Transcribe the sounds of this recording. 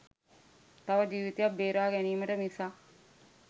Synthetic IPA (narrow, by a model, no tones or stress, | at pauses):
t̪aʋəd͡ʒiːʋit̪ejabbeːɾaːɡæniːməʈəmisaː